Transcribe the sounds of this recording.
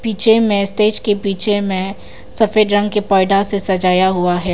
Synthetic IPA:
b̥iːt͡ʃʰemẽsʈeːd͡ʒkepiːt͡ʃʰemẽ | sɐfeːd̪ɾɐ̃ŋɡkepɔːɪɖasesɐd͡ʒaːjaɦuaɦɛː

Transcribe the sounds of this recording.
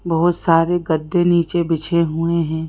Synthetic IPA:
bɐɦʊt̪saːɾeɡəd̪ːeniːt͡ʃebɪt͡ʃʰeɦʊeɦɛ̃ː

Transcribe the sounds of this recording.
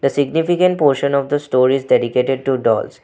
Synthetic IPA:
d̪əsɪɡnifikə̃ɳʈ̚poːɾʃə̃nɔʋd̪əsʈoːɾɪzɖɛɖikeʈeɖ̚ʈuɖɔ̰ːls

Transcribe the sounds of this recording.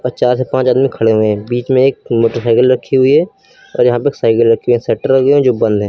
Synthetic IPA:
ɔt͡ʃaːɾsepãːt͡ʃaːd̪mikʰɐɽeɦʊẽɦɛ̃ːbiːt͡ʃmẽeːk̚moːʈəɾsaːɪkəlɾɐkʰːiɦʊiɦɛ | ɔ̰ːɾjɐɦãpɐeːksaːɪkəlɾɐkʰeɦʊiɦɛ̃sɛːʈəɾɐɡẽẽd͡ʒoːbɐ̃nd̪ʱɦɛ̃ː

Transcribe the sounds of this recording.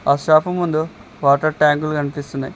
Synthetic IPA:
aːʃaːpɐmːund̪u | ʋaːʈɐɾʈaːŋɡulukɐnipist̪unːa̰j

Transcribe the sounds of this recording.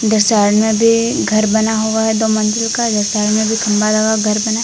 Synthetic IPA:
d̪ɐɾsaːɾmẽbʱi | ɡʱɐɾbɐnaɦoaɦɛd̪oːmɐ̃nd͡ʒɪlkad̪ɐɾsaːɾmẽbʱikʰɐ̃mbalaɡaɡʱɐɾbɐna

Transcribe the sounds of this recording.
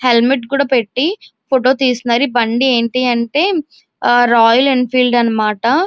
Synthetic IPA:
he̞lmiʈkuːɽaːpe̞ʈːipʰoʈo̞ːt̪iːsunaːɾibɐɳɖieːɳʈiːɐɳʈeː | ɾaːjɐlinpʰiːlɖɐnːɐmaːʈɐ

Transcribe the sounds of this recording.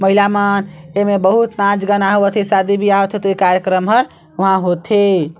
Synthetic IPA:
məɦilamanemebəɦut̪nãd͡ʒɡənaɦoət̪ʰesad̪ibʱiaɦot̪ʰet̪oikaɾjəkɾəmɦəɾ | oɦãɦot̪ʰe

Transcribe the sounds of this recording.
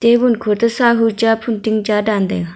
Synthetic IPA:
t̪ewunkʰot̪əsaɦut͡ɕapʰunt̪iŋd͡ʑadand̪ḛ

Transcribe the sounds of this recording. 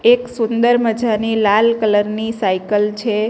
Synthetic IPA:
eksʊnd̪əɾməd͡ʒanilalkələɾnisaikəlt͡ʃʰe

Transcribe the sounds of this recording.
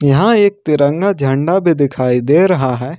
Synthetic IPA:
jɐɦãeːk̚t̪ɪɾə̃ŋɡad͡ʒʱɐ̃ɳɖabʱid̪ɪkʰaːid̪eːɾɐɦaɦɛː

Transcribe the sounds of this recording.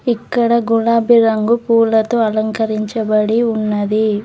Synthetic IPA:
ikːɐɽɐɡulaːbiɾɐŋɡupuːlɐt̪oɐlɐŋkɐɾiɲt͡ʃɐbɐɽiunːɐd̪i

